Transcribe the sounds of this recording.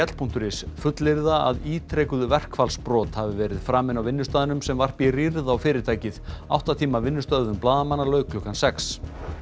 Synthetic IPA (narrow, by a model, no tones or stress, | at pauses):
ɛt̪l̥pʰun̥t̪ʏɾɪsfʏt̪lɪɾðaa̰ðiːt̪ʰɾejkʏðvɛr̥kfalspɾɔːt̪havɪvɛːɾɪð̥fɾaːmɪnawvɪnːʏst̪aːðɪnʏmsɛmvar̥piriɾðawfɪːɾɪɾt̪ʰaːjcɪða̰wht̪at̪ʰiːmavɪnːʏst̪œððʏmplaːðamanːalœːɥkʰlɔhkansɛks